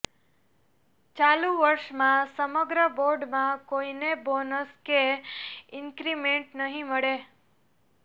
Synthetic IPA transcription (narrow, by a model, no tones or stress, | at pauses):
t͡ʃalũʋəɾʃmãsəməɡɾəboɾɖmãkoinebonəske | ɪŋkɾimeɳʈnəɦĩməɭe